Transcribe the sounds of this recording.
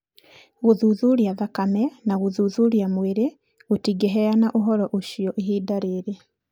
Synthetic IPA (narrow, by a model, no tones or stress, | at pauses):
ɣuðuðuɾjaðakamenaɣuðuðuɾjamweɾe | ɣutiɡeɦejanaʔuɦɔɾɔʔuʃijɔʔiɦiːdaɾeɾe